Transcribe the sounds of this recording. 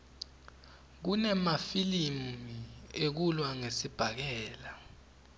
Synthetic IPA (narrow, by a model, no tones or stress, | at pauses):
k̬unɛmafilimiek̬ulwaŋesib̥ʱak̬ɛːla